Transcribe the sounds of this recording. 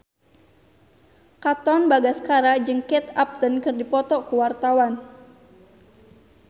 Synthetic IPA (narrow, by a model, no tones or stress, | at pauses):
kat̪ɔnbaɡasə̥kaɾad͡ʒəŋkɛt̪ap̚t̪ənkərdipɔt̪ɔkuwart̪awan